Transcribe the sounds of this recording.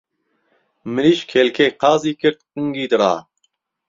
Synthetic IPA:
mɨɾiːʃkʰɛlkʰeːqɑːziːkɨɾt̪̚qɨŋɡiːd̪ɨɾɑ̰ː

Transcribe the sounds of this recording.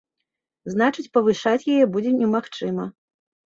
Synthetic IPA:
znat͡ʂɨt͡sʲpɐvɨʂat͡sʲjajɛbud͡zʲɛnʲɛmaxt͡ʂɨmɐ

